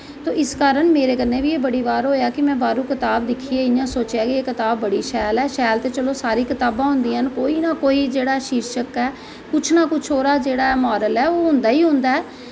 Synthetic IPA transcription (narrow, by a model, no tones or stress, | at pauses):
t̪oːʔɪskaːɾəɳmeːɾeːkənːeːʋiːeːbəɽiːʋaːɾɦoːjaːkɪmɛ̃ːbaːɾuːkɪt̪aːbd̪ɪkʰieːɪjãːsoːt͡ʃaːkieːkɪt̪aːbːəɽiːʃɛːlɛːʃɛːlt̪eːt͡ʃəloːsaːɾiːkɪt̪aːbãːɦʊ̃nd̪iːɦənkoːiːnaːkoːiːd͡ʒeːɽaːʃiːɾʃəkɛː | kʊt͡ʃʰnaːkʊt͡ʃʰoːɾaːd͡ʒeːɽaːɛmaːɾəlɛːoːɦʊ̃nd̪aːiːɦʊ̃ːnd̪aːɛː